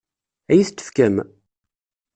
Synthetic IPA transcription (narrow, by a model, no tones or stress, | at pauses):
æjiθt̪ːə̥fkæm